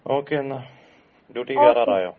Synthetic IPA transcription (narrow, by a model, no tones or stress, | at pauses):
oːkeːna | ɖuːʈiːʋaːɾaːɾaːjo̰ː